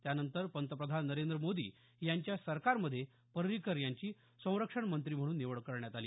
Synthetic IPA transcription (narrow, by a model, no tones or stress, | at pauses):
t̪janənt̪əɾpənt̪əpɾəd̪ʱanːəɾend̪ɾəmod̪ḭː | jaɲt͡ɕjasəɾkaɾməd̪ʱːje | pəɾɾikəɾjaɲt͡ɕiː | sə̃w̃ɾəkʂəɳmənt̪ɾiːm̤əɽuːnːeʋəɭkəɾɳjat̪aliː